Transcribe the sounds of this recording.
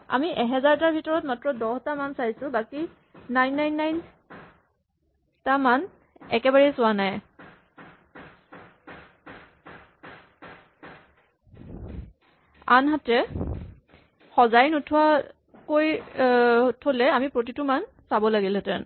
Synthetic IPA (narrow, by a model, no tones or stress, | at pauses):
a̰miʔɛɦɛzaɹtaɹbʱitɔɹɔtmatɹɔdɔhtamansajsʊbaki | najnːajnːajn | taman | ɛ̰kɛbaɹɛjsʊwanaj | a̰nɦatɛ | xɔzajnotʰʊa | koj | tʰolɛamipɹot̬ituman | sabɔlaɡilɛtɛ̰n